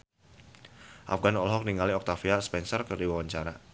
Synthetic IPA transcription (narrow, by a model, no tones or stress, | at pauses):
ʔa̰fɡanɔlɦɔk̚niŋaliɔk̚t̪afiaspɛnsɔrkərdiwawaɲt͡ʃaɾa